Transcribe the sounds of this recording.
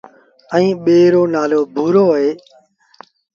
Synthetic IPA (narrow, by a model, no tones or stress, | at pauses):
ə̃ĩːɓeːɾoːnaːloːbʱuːɾoːɦeː